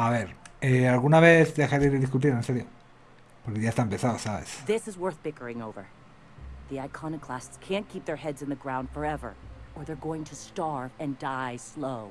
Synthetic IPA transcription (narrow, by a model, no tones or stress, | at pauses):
aβe̞ɾealɣunaβe̞θd̪e̞xaɾeðeðis̬kut̪̬iɾense̞ɾjo̞ | poɾkeʝaest̪ampesaosaβḛsðɪsɨzwɜ˞θb̥ɪkə˞ɪ̃ŋoʊvə˞ | ðiaɪkʰɑnɨkʰl̥æstskʰæ̃nkʰip̚ðə˞hɛdzɨ̃nðɨɡɹãʊ̃nd̥fə˞ɛvə̰˞ə˞ðə˞ɡoʊɪ̃ŋtʰɨstɑɹvɨ̃ndaɪsloʊ